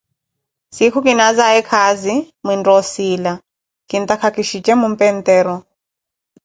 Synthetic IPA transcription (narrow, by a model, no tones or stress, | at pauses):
sikʰukinazaɛkʰazi | mindɔsiːla | kint̪akʰakiʃit͡ʃʼɛmum̩pɛnt̪ʼɛːɾɔ